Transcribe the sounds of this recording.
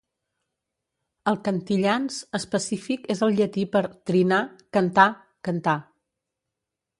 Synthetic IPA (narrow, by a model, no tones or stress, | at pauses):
əlˠkənt̪iʎanzəspəsifikezəlˠʎət̪ipəɾt̪ɾinakənt̪a | kənt̪a